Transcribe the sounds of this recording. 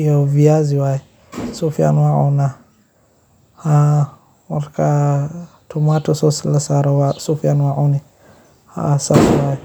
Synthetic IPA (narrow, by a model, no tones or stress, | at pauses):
ioviaziwaɛ | sufia̰nwaʔuna | ha | waɾka | tʰumatɔsɔsilasaɾawasufianwaʔuni | ha̰ːsasiwaɛ